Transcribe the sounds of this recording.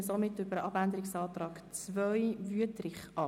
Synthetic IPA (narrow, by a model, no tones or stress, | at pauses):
əsomɪtːʏbəɾəʔɑbænd̪əɾɪksɑːt̪rɑːkt͡svœjvyətɾɪχʔɑ